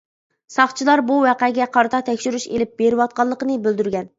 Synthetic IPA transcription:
sɑχt͡ʃʰilˠɑɾbuwæqɛɡʲɛqʰɑɾt̪ʰɑt̪ʰɛkʲʃyɾyʃelɪp̚beɾɪwɑt̪̚qɑlˠːəqənɨbøld̪yɾɡʲɛn

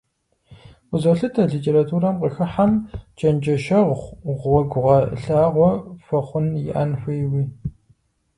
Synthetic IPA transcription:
ʊzɐɬɨtʰɐɮiːtʰʼeːɾatʰuːɾɐmqəxɨħamt͡ʃʰʼɐnd͡ʒɐʃɐʁχʷʁɔɡʷʊʁɐɬaːʁʷɔfɐχʷʊnjɪ̰ʔɐ̰nfʷɨjwiː

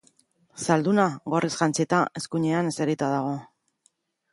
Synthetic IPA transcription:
sald̪unaɣo̞rʔisɣant͡sit̪ae̞skuɲe̞aneseɾit̪aðaɣ̞o̞

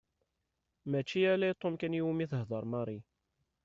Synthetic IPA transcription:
mæt͡ʃːiælæjt̪ˤːomkænjuwmiθəɦðˤɑɾˤmɑɾˤi

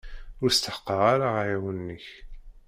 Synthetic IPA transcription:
ʊɾst̪əħqːɑʁaɾaʁjiwənːəç

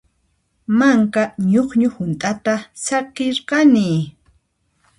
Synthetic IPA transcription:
maŋkaɲoχɲʊhʊnt̪ʼat̪asakɪɾqɑnɪ

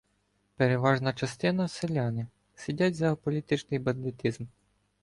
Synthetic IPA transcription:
peɾeʋɑʒnɐt͡ʃɐst̪ɪnɐselʲɑnɪ | sʲidʲatʲzɐɔpɔlʲit̪ɪt͡ʃnɪjbɐnd̪ɪt̪izm

